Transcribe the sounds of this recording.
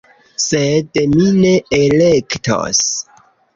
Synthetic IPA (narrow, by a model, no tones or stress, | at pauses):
sedmine̞elektʰo̰s